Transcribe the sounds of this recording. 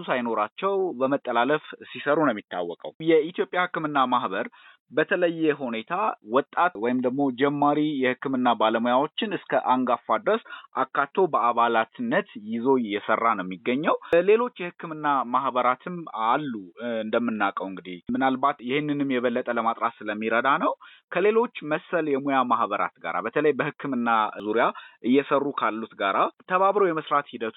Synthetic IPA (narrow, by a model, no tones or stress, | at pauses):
usajno̞ɾat͡ʃːɛwbəmət̪ʼːəlaləfsisəɾunəmːit̪ʰːa̰wːɔkʼə̰wjɛit̪jo̞pʼjahɨkːɨmɨnːamahbəɾ | bət̪ʰələjːɛɦune̞t̪ʰawɔt̪ʼːat̪wɔjɪmd̪əɡmo̞d͡ʒɛmːaɾijɛhɨkːɨmɨnːabaləmojawo̞t͡ʃːɪnɨskʰəʔaŋɡafːad̪ɨɾəsʔakːat̪ʰːo̞bəaβalat̪ʰɨnːət̪jɪzo̞jɛsərːanəmːiɡːəɲːɛwle̞lo̞t͡ʃːjɛhɨkːɨmɨnːamahbəɾat̪ʰɨmalːuɨnd̪əmːɨnːakʼəwɨŋɡɨd̪ihmɨnalbat̪jɪhɨnːɨnɨmjɛβəlːət̪ʼələmat̪ʼɾasɨləmːiɾəd̪anəw | kʰəle̞lo̞t͡ʃːməsːəljɛmojamahβəɾa̰t̪ɡa̰ɾa̰bət̪ʰələjbəhɨkʰːɨmɨnːazuɾijaʔɨjːɛsərːukʰalːut̪ɡaɾat̪ʰəβaβɾəwjɛməsɾat̪hid̪ət̪ʰu